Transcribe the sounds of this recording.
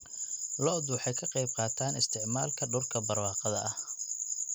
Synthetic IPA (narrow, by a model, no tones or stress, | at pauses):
lɔd̪wɑħɑjkʰɐqɑjb̚qɑːt̪ʰaːnɪst̪ʰɪʕmaːlkʰɐɖʊrkʰɐbɐrwɑːqɐðɐʔɐh